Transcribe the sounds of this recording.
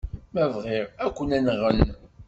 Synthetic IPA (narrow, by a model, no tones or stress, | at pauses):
mævʁɪɾækʷːənænʁən